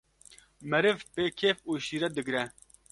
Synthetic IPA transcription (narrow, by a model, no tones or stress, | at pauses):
mɛɾɨvpeːkʰeːfuːʃiːɾɛd̪ɨɡɾɛ